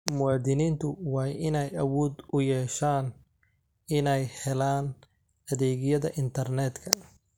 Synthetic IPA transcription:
mʊwaːd̪ɪniːnt̪ʰʊwɑːjɪnɛjɐwɔːd̪ʊjɛːʃaːn | ɪnɛjhɛlaːn | ɐðɛːɣjɐðɐʔɪnt̪ʰɐrnɛːd̪kʰɐ

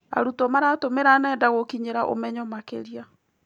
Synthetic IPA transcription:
a̰ɾutɔmaɾatomeɾanɛdaɣokiɲeɾaʔo̰mɛɲɔmakḛɾia

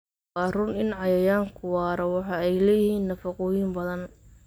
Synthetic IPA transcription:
ɑːrʊnɪnʕɑjɐjaːŋkʰʊwɑːɾɐwɑħɑɛjlɛjɪhiːnːɐfɐqʊjimbɐðɐn

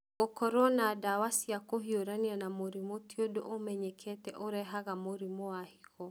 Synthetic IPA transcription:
okɔɾɔɔnadawasiakoɦioɾanianamoɾimotiodoʔomɛɲɛkʰɛtɛʔoɾɛɦaɣamoɾimɔwahiɣɔ

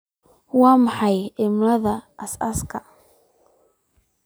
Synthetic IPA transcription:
waːmɑħɑjʔɪmlɐðɐːsɐskʰɐ

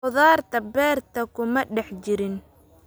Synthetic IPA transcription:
ʊðaːrt̪ʰɐbɛːrt̪ʰɐkʰʊmɐɖɛħt͡ʃɪɾɪn

